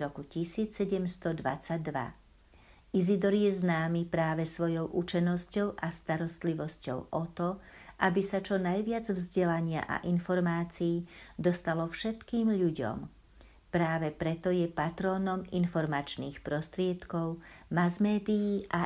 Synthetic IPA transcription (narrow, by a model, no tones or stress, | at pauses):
ɾɔkucisiːt͡ssɛɟɛmst̪ɔd̪ʋa̰t͡saɟ̚d̪ʋa̰ | izid̪ɔɾjɛznaːmipɾaːʋɛsʋɔjɔʊʔut͡ʃɛnːɔscɔʊʔast̪aɾɔst̪liʋɔscɔ̰ʊʔɔt̪ɔʔabisat͡ʃɔnajʋɪad͡zvzɟɛlaɲɪa̰ʔa̰ʔinfɔɾmaːt͡sijːd̪ɔst̪alɔfʃɛt̪kiːmʎuɟɔ̰m | pɾaːʋɛpɾɛt̪ɔjɛpat̪ɾɔːnɔminfɔɾmat͡ʃniːxpɾɔst̪ɾɪɛt̪kɔʊmazmɛːd̪ijiʔa